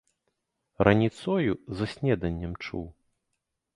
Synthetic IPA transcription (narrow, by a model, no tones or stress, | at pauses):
rɐnʲit̪sɔjuzɐsʲnʲɛd̪ɐnʲːɛmt͡ʂṵw